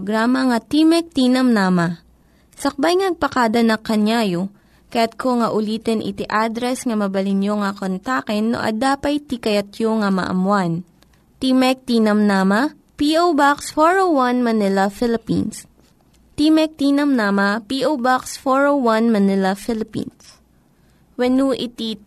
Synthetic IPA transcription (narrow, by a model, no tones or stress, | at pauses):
ɡɾaːmɐŋɐt̪imɛk̚t̪inɐmnaːmɐ | sɐk̚bajŋɐɡ̚pɐkad̪ɐnɐkːɐnjaːjo | kɐjat̪̚kʰoŋɐʔʊliːt̪ɛnʔɪ̰t̪iʔad̪ɾɛsŋɐmɐbɐlɪnjoŋɐkont̪aːkɛnːo̰ʔɐ̰d̪aːpɐjt̪ikɐjɐt̪joŋɐmɐ̰ʔɐ̰mwan | t̪imɛk̚t̪inɐmnaːmɐ | piʔowbaksfoɹowwɐnmɐnɪlɐfɪlɪpḭns | t̪imɛk̚t̪inɐmnaːmɐpiʔowbaksfoɹowwanmɐnɪlɐfɪlɪpḭns | wɛnuʔɪt̪i